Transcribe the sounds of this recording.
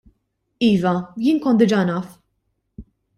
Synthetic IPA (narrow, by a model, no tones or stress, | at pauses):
iːvɐjɪːnkɔnd̪ɪd͡ʒɐnɐf